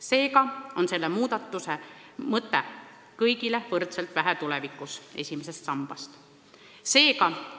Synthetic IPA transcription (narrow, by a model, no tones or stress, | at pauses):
se̞ːkɑo̞nse̞lːemuːd̪̥ɑt̪ːˑuse | mɤt̪ˑːe | kɤjɡilevɤrt̪selt̪væɦæt̪ulevikːˑuse̞̰sʲimes̬est̪sɑmb̥ɑst̪ | se̞ːkɑ